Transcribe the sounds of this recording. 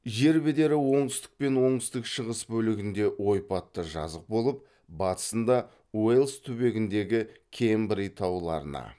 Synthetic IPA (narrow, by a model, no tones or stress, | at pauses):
ʒe̞ɾbɪd̪e̞ɾɪwo̞ɴt̪ɪst̪ɪ̥k̚pe̞nwo̞ɴt̪ɪst̪ɪkʃəʁəsbɵlɪɡʲɪnd̪e̞wo̞jpɑt̪ːəʒɑ̰zəq̚bo̞lˠəp̚ | bɑt̪ə̥sənd̪ɑ | welˠst̪ʰɵbe̞ɡʲɪnd̪e̞ɡʲɪkʲʰe̞mbɾijt̪ʰɑwlˠɑ̰ɾənɑ̰